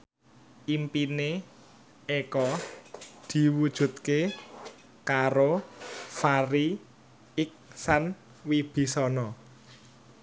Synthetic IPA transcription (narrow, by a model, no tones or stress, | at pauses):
ʔimpine | ekɔ | d̪̥i̤wud̥ʒ̥ṳt̪̚ke | kaɾofaɾi | ɪk̚san | wib̥i̤sɔnɔ